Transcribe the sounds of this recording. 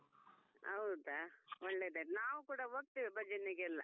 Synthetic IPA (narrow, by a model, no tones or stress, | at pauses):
ɐ̰wd̪aɔɭːed̪enaːʋukuːɽɐɦoːɡ̚t̪iːʋibɐd͡ʒɐnːiɡɛlːɐ̰